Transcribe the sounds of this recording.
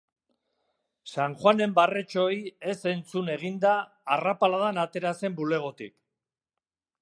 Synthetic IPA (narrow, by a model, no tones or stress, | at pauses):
saŋxwane̞mbare̞t͡ʃo̞je̞se̞nt͡sune̞ɣ̞ind̪aː | rapalaðanat̪e̞ɾase̞mbule̞ɣ̞o̞t̪ḭk